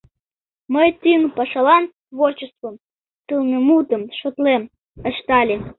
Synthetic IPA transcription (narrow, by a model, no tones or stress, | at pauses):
məjt̪yŋpɑʃɑlɑn | βort͡ɕest̪vom | t̪ɨlnəmut̪əmʃot̪lem | əʃt̪ɑlʲe